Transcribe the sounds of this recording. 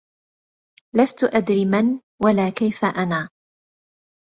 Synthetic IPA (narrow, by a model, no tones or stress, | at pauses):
last̪ʊʔad̪ɾiːman | walaːkajfaʔanaː